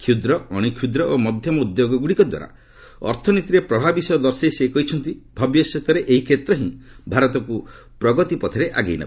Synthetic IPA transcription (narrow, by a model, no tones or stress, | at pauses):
kʰjud̪ɾɔɔɽ̃ikʰjud̪ɾɔʔomɔd̪ʱjɔmɔud̪joɡɔɡuɽikɔd̪wa̰ɾa̰ | ɔ̰ɾt̪ʰɔnit̪iɾepɾɔbʱabisɔjɔd̪ɔɾseisekɔɦit͡ʃʰɔnt̪ibʱɔbjɔset̪ɔɾeʔeɦikʰɾet̪ɾɔɦĩbʱaɾɔt̪ɔku | pɾɔɡɔt̪ipɔt̪ʰeɾeʔa̰ɡejna̰